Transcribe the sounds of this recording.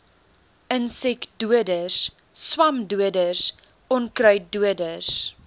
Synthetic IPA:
ənsɛkduədəs | swɐmduədəs | ɔnkrœɥduədəs

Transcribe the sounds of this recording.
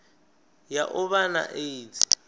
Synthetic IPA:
jaʔʊβana̰ʔeit͡s

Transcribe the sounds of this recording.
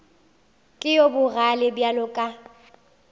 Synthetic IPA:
kʼɪjobʊralɪbjalʊkʼa

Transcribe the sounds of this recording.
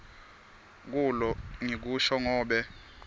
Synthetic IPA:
k̬ulɔŋik̬uʃɔŋɔːɓɛ

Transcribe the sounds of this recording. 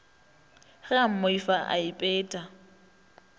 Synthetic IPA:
χɪam̩moifaʔa̰ipʼɛːtʼa

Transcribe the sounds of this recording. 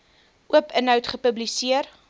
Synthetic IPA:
ʔuəpənɦœwtχəpəblisiər

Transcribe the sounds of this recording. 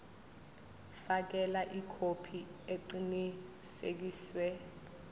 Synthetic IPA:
fak̬ɛlaʔikʰopʰieǃinisek̬iːswɛ

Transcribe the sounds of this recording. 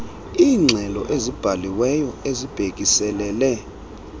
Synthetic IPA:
iːŋ͡ǀʱɛlɔʔezib̥ʱaliwɛjɔezib̥ʱekʼisɛlɛːlɛ

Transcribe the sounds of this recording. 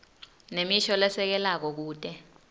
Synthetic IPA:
nemiʃɔlɛsɛk̬ɛlak̬ɔk̬uːtʼɛ

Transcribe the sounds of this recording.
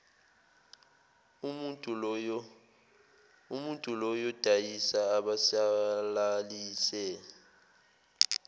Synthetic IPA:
umuntʼulɔjɔd̥ʱajisaːɓasalaliːsɛ

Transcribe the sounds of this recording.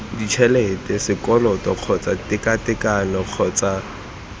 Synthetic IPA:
dit͡ʃʰɛlɛtʼɛsɪkʼɔlɔtʼɔq͡χʰɔt͡sʼatʼɪkatɪkʼanɔq͡χʰɔt͡sa

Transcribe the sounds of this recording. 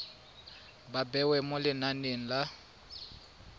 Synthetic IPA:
babɛwɛmʊlɪnaneŋ̩la

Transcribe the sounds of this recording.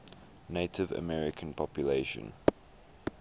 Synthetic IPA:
neɪtʰɪvə̰mɛɹɪkʰə̃npʰɔpjuleɪʃə̰̃n

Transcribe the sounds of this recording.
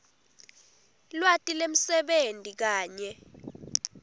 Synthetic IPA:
lwatʼilem̩sɛɓentʼik̬aːɲɛ

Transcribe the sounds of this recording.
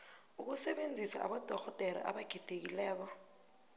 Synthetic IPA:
uk̬usɛɓend͡zʱisa̰a̰ɓɔd̥ʱɔxɔd̥ʱɛɾa̰ʔa̰ɓaɡ̥ʱid̥ʱek̬ilɛːk̬ɔ

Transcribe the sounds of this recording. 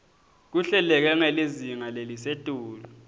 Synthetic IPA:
k̬uɬɛlɛk̬ɛŋeliziŋalelisetʼuːlu

